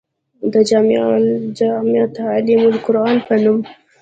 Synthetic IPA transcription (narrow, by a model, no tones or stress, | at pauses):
d̪əd͡ʒɑmd͡ʒmjɑt̪alimʊlkʊɾɑnpənum